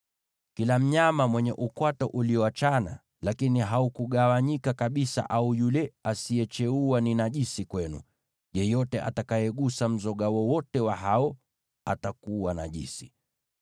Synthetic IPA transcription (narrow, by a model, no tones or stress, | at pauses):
kilam̩ɲamamwɛɲɛʔukwatɔʔuliɔat͡ʃana̰ | lakiniɦaukuɠawaɲikakaɓisa̰ʔaujulɛasiɛt͡ʃɛuaninaʄisikwɛnṵ | jɛjɔtɛʔa̰takajɛɠusam̩zɔɠawɔwɔtɛwaɦaɔ | atakuwana̰ʄḭsi